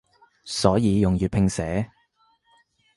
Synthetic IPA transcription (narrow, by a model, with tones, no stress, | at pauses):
sɔː˨˥jiː˨˧jʊ˨ŋjyː˨t̚pʰɪ˧ŋsɛː˨˥